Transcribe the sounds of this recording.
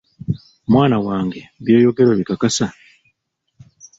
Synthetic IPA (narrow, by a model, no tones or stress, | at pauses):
mwaːnawaːŋɡe̞βjo̞ːjo̞ɡe̞ɾoβikakasa